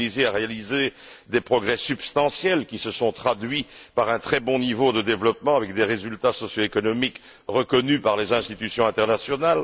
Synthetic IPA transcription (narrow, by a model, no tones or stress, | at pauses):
izeaʁealized̪epχɔɡʁɛsybst̪ɑ̃sjɛlkʲisəsɔ̃t̪χad̪ɥipaʁɛ̃t̪χɛbɔ̃nivod̪əd̪evlɔpmɑ̃avɛkd̪eʁezylt̪asɔsjoekɔnɔmik | ʁəkɔnypaʁlezɛ̃st̪it̪ysjɔ̃ɛ̃t̪ɛʁnasjɔnal